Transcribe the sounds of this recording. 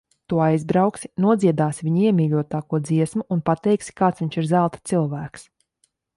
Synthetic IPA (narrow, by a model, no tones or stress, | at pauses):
t̪uɔajzbɾawksi̥nuɔd̪ziɛd̪aːsvʲiɲiɛmʲiːlʲuɔt̪aːkuɔd̪ziɛsmuunpat̪ɛjksi̥kaːt̪sviɲʲt͡ʃiɾzælˠt̪t̪silˠvæːks